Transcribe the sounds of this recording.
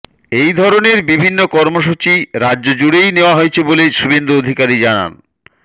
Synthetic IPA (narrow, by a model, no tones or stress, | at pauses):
ejd̪ʱɔɾoneɾbibʱinːokɔɾmoʃut͡ɕiɾadːʑod͡ʑuɽejneoaɦoet͡ɕʰeboleʃubend̪uod̪ʱikaɾid͡ʑana̰n